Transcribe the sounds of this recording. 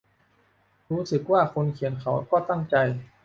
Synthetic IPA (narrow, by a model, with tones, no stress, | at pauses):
ɾuː˦˥sɯ˨˩k̚waː˥˩kʰo˧nkʰi˨˩ənkʰa˨˩˦wkɔː˥˩t̪a˥˩ŋt͡ɕa˧j